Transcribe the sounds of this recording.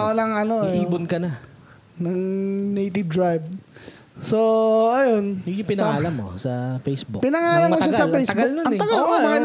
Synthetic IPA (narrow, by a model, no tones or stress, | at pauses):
ʔonɐŋɐnoiːbʊnkɐnɐ | nɐŋnejt̪ɪvd̪ɹajb̚ | soɐjo̞njʊŋjʊpɪnɐŋaːlɐmːo̰sɐfejsbṵpɪnɐŋaːlɐmɐːoʃaɡsɐlpɛjsɐɡɐʊlnoɐnɐɡɐlkomɐŋa